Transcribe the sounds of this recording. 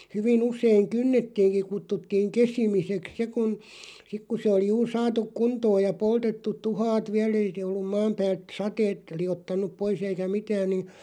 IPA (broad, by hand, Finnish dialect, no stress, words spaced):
hyʋin useiŋ kynːetːiːŋki kutːutːiːŋ kesimiseks se kun sik ku se oli juːr sɑːtuk kuntoːj jɑ poltetːut̆ tuhɑːt ʋiæl ei se olːum mɑːm pæːlt sɑteːt liotːɑnˑup pois eikæ mitæːn̆ nin